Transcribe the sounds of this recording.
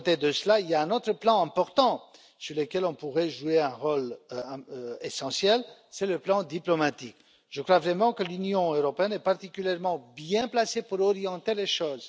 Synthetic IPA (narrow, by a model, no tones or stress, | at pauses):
t̪ed̪əsəlailjaɛ̃not̪χəplɑ̃ɛ̃pɔʁt̪ɑ̃ | syʁləkʲɛlɔ̃puʁɛʒueɛ̃ʁol | esɑ̃sjɛlsɛləplɑ̃d̪iplɔmat̪ik | ʒ̥əkʁwavʁɛmɑ̃kəlynjɔ̃øʁɔpeɛnɛpaʁt̪ikʲyljɛʁmɑ̃bjɛ̃plasepuʁɔʁijɑ̃t̪eleʃoːz